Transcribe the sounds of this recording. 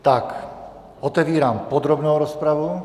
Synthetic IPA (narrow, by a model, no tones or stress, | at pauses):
t̪ak | ɔt̪ɛʋiːɾaːmpɔd̪ɾɔbnoʊɾɔspɾaʋu